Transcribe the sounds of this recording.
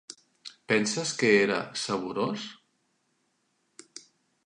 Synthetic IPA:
pɛnsəskəeɾa̰səβuɾos

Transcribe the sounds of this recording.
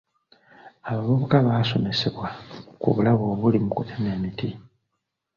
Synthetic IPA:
aβaβuβukaβaːso̞me̞se̞βwakṵβulaβoːβulimukutʰeneːmiti

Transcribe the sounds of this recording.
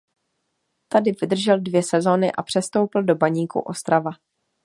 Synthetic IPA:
t̪adɪvɪd̪r̩ʒɛldvjɛsɛzo̞ːnɪʔapr̝̥ɛst̪o̞wpl̩do̞baɲiːkṵʔo̞st̪ɾava

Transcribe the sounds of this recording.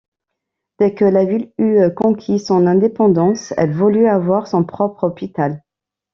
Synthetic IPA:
d̪̥ɛkəlavilykɔ̃kʲʰisɔ̃nɛ̃d̪epɑ̃d̪ɑ̃sɛ̰lvulyavwaʁsɔ̃pχɔpχɔpit̪al

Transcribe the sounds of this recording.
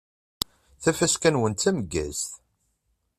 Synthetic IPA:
θæfæskænwənt̪ːæməɡːæ̰sθ

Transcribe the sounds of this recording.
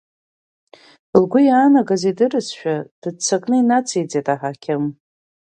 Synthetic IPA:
lɡʷʊjaːnaɡazidɨrɨsʃᶣad̥ɨt͡sʰakʼnɨinat͡sʰejd͡zetʼaħakʲʰɪm

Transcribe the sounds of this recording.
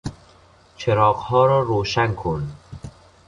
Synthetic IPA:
t͡ʃʰeɾɒːɢhɒːɾɒːɾoːʃæŋkʰon

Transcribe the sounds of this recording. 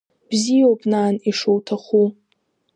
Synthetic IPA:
b̥zijowpʼnaːniʂowtʰaχu

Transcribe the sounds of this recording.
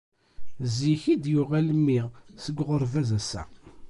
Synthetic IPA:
ziçid̪jʊʁælmːiʁsəɡʷʁəɾˤvæzæsæ̰

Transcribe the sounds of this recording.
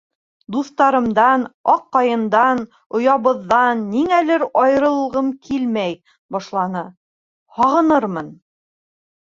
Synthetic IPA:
d̪uθt̪ɑɾɤ̆md̪ɑnɑqːɑjɤ̆nd̪ɑn | ŏjɑβɤ̆ðːɑnːiŋælɘɾɑjɤ̆ɾɤ̆lˠʁɤmkʰilmæj | bɑʃlˠɑnɤ | hɑʁɤ̆nɤɾmɤn

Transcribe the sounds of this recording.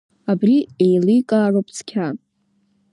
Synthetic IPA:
abriejlikʼaːropʰt͡sʰkʲʰa

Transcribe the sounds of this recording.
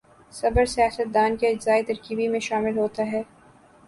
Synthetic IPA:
sɐbəɾsijaːsət̪̚d̪aːnkeɪd͡ʒzaːit̪ɐɾkiːbimẽʃaːmɪlɦoːt̪aɦɛː

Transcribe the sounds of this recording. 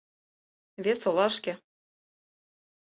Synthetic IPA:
vʲesolˠɑʃkĕ

